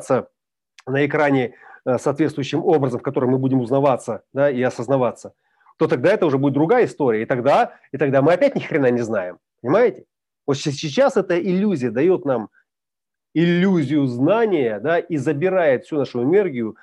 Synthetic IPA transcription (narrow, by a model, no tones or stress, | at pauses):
t̪sə | nəɪkɾanʲɪsɐːt̪vʲet̪st̪vʊjʉɕːɪmo̞bɾəzəmfkɐt̪o̞ɾɨmːɨbudʲɪmʊznɐvat̪sːəd̪aiɐsəznɐvat̪sːə | t̪o̞t̪ɐɡ̚d̪aɛt̪əʊʐɛbudɪt̪̚d̪ɾʊɡajəɪst̪o̞ɾʲɪjəɪt̪ɐɡd̪a | it̪ɐɡd̪amɨɐpʲæt̚ʲnʲɪxʲɾʲɪnanʲɪznajɪm | pənʲɪmajɪtʲɪ̥ | vot̪sʲsʲɪt͡ɕːasɛt̪əʔɪlʲːuzʲɪjəd̪ɐjo̞t̪nam | ɪlʲːuzʲɪjʊznanʲɪjəd̪aʔizəbʲɪɾajɪt̪fsʲunaʂʊɪnerɡʲɪjʊ